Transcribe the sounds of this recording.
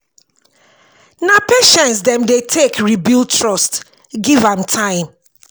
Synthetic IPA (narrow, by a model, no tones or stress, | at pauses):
napeʃɛ̃ntsdɛ̃mdetʰekɹibiltʰɹɔst | ɡivãmtʰãɪ̃m